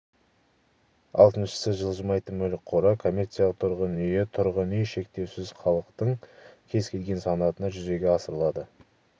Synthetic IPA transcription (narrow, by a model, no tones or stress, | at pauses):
ɑ̰lˠt̪ənʃə̥sɪʒəlˠʒəmɑjt̪ənmɵlɪk̚qʰoɾəkʰo̞mʲːe̞rt̪sijalˠəqt̪ʰʊɾʁənʏjɪt̪ʰʊɾʁənʏjʃe̞k̚t̪e̞wsɪzχɑlˠəqt̪əɴkʲʰe̞zkʲʰe̞lɡʲe̞nsɑnɑt̪ənɑʒʏze̞ɡʲe̞ɑsəɾəlˠɑd̪ə